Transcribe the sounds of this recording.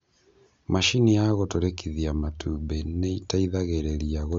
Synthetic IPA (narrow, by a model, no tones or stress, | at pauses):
maʃinijaɣotoɾekiðiamatubeneitaiðaɣeɾeɾiaɣo